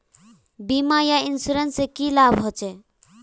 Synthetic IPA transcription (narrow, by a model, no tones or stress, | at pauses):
bimajainsuɾensekilabʱɦɔt͡ʃʰe